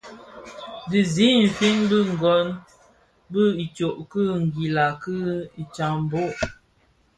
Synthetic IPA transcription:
di˨zi˦m̩˨fi˦nbɨ˦˨ŋ̩˨ɡɔ˨˦n | bɨ˦˨i˨t͡ʃo˨ʔkɨ˦ŋ̩˨ɡi˨la˨kɨ˦i˨t͡ʃa˨m˨bo˦ʔ

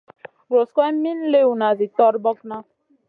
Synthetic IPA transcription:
ɾo˨skʷa˦m̩˦mi˦n̩˦le˦wu˨na˨zi˨tɔ˦ɾbɔ˦kna˦

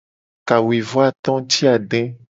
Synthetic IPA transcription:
ka˨wi˨vɔ˦a˦t̪ɔ̃˦t̪i˦a˨ɖɛ̃˦

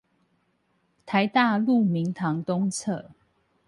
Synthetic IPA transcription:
t̪ʰa˨˦ɪt̪a˥˧lu˥˨mi˨˦ŋt̪ʰɑ˨˦ŋt̪ʊ˥ŋt͡sʰɤ̰˥˨

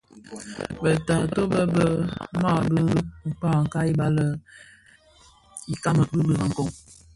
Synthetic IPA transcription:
bə˨ta˨to˦bə˦bə˦ma˦˨bə˦˨k͡pa˦˨ŋ̩˨ka˦i˦ba˦lə˦ | i˨ka˦mə˨bə˦bə˦˨ɣa˨ŋ̩˨ko˦˨ŋ

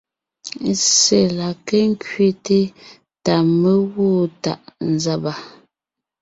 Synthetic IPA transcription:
se˨la˨ke˦ŋ˦kɥe˦te˦ | ta˨me˦woː˦˨ta̰˨ʔn̩˨za˦˨ba˨

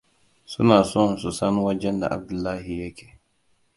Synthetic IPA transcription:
sṵ˦naː˨sɔ˦˨su˨sa˦n˦wa˦d͡ʒɛ˦nda̰˨ʔa̰˨b̚du˨lːa˦hi˨je˦kʰɛ˨

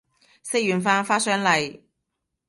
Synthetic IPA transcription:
se˥jyː˨nfaː˥nfaː˥sœː˥ŋlɐ˨j

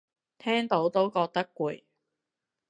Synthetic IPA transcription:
t̪ʰɛː˥ŋt̪o˨˥wt̪o˥wkɔː˧k̚t̪ɐ˥kːʷuː˨˩j

